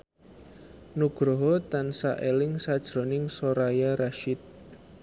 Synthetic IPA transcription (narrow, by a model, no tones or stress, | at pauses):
nuɡ̥ɾoɦot̪ansa̰ʔelɪŋsad̥ʒ̥ɾonɪŋsoɾajaɾaʃɪt̪̚